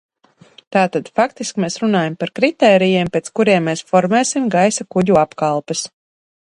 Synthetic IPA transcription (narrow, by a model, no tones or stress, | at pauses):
t̪aːt̪ad̪fakt̪iskmeːsɾunaːjampaɾkɾit̪ɛːɾijɛːmpʲɛt̪skuɾiɛmːeːsfɔɾmɛːsimɡajsakuɟuapkalˠpɛs